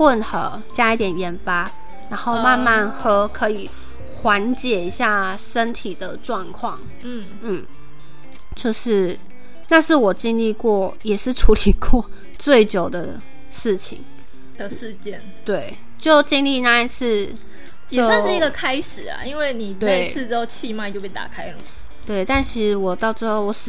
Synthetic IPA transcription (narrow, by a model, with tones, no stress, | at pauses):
pwə˥˩nxə˨˩˦ | t͡ɕja˥i˧˥˩t̪jɛ˨˩njɛ˧˥nfa˥ | ɻa˧˥nxo˥˧ʊma˥˧nma˥˩nxɤ˥kʰɤ˧˥i˨˩ | xwa˧˥nt͡ɕjɛ˨˩i˧˥ɕja˥˩ | ʂə˥nt̪ʰi˨˩d̪ə˦ʈ͡ʂwɑ˥˧ŋkʰwɑ˥˩ŋ | n̩˥˩ | n̩˥˩ | t͡ɕjo˥˧ʊʂɻ̩˥˧ | na˥˧ʂɻ̩˥˩wɔ˨˩t͡ɕi˥˧ŋli˥˧kwɔ˥˩jɛ˨˩ʂɻ̩˥˩ʈ͡ʂʰu˧˥li˨˩kwɔ˥˧ | t͡swe˥˩ɪt͡ɕjo˨˩ʊd̪ə˦ | ʂɻ̩˥˩t͡ɕʰi˨˩ŋ | d̪̥ə˨ʂɻ̩˥˧t͡ɕjɛ˥˩nt̪we˥˩ɪ | t͡ɕjo˥˧ʊt͡ɕi˥˧ŋli˥˧na˥˧i˥˧t͡sʰɹ̩˥˧ | jɛt͡ɕo˩˥sʊwa˥˧nʂ̩˥˩i˧˥ɡə˨˧kʰa˥ɪʂɻ̩˨˩ɐ̰˩i˥nwe˥˩ɪni˨˩t̪wae˥˩˧i˥ɪt͡sʰɹ̩˥˩ʈ͡ʂɻ̩˥xo˥˧ʊt͡ɕʰi˥˧ma˥˧˨t͡ɕo˥˧pe˥˩t̪a̰˨˩kʰa˥ɪlə˩ | t̪we˥˩ɪt̪a˥˩nt͡ɕʰi˧˥ʂɻ̩˧˥wɔ˨˩t̪ɑ˥˧ʊt͡sɻ̩˥˧xo˥˩ʊwɔ˧˥ʂ̩˧